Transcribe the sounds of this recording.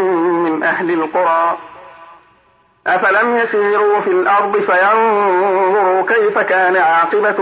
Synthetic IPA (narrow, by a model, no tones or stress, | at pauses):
mɪnʔahlɪlqʊɾˤɑː | ʔafalamjasiːɾuːfilʔɑɾˤd̪ˤɨfajanðððˤʊɾuːkajfakaːnaʕɑːqɨba